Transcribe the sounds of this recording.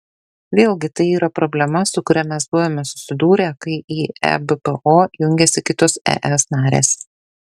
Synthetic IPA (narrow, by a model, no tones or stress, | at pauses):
ʋʲeːlˠʲɡʲɪt̪ɐɪiːɾɐpɾɔbʲlʲɛmɐsʊkʊɾʲɛmʲɛsbʊʋoːmʲɛsʊ̥sʲɪd̪uːɾʲɛkɐɪʔiːɛ̰bepɛʔoːjʊŋʲɡʲɛsʲɪkʲɪt̪oːsɛ̰ʔɛsnɑːɾʲḛːs